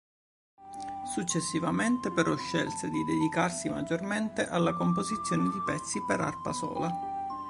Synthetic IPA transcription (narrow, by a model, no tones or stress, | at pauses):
sut͡ʃːesːivament̪epeɾɔʃːɛ̰lt̪ed̪id̪ed̪ikarsima̰d͡ʒorment̪eʔalːakomp̬ozit̪sːjoːned̪ipɛt̪sːipeɾa̰rpa̰sɔ̰ːla